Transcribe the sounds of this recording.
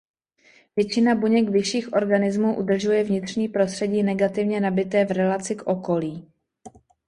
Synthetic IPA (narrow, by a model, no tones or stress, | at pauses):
vjɛt͡ʃɪnabuɲɛkvɪʃiːxʔo̞ɾɡanɪzmuːʔṵdr̩ʒujɛvɲɪt̪r̝̥ɲiːpɾo̞st̪r̥ɛɟiːnɛɡat̪ɪvɲɛnabɪt̪ɛːvɾɛlat͡sɪkʔo̞ko̞liː